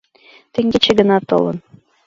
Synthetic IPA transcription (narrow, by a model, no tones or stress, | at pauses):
t̪ɘ̆ŋɡʲet͡ɕĕɡɤ̆nɑt̪ɤ̰lɤ̰̆n